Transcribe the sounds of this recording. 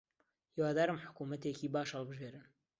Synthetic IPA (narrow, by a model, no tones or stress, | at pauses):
hiwaːd̪aːɾɨmħʊ̥kumɐt̪eːkiːbaːʃhɐlˠbɨʒeːɾɨn